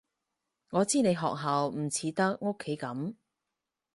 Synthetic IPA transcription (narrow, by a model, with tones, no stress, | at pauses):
ŋɔː˨˧t͡siː˥ne˨˧jɦɔ̰ː˨k̚ɦɐ˨wm̩˨˩t͡sʰiː˨˧˥t̪ɐ˥k̚ŋo˥kʰːe˨˥jkɐ˨˥m